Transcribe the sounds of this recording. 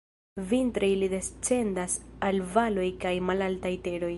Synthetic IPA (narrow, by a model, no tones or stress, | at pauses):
vintɾejlide̞st͡se̞ndasalvalo̞jkajmalaltajte̞ɾo̞j